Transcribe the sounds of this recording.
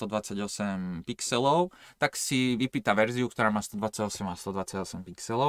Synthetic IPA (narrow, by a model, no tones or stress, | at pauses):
t̪ɔd̪ʋat͡saɟɔsɛmpiksɛlɔʊt̪aksiʋipiːt̪aʋɛɾziukt̪ɔɾaːmaːst̪ɔd̪ʋat͡saɟɔsɛmast̪ɔd̪ʋat͡saɟɔsɛmpiksɛlɔ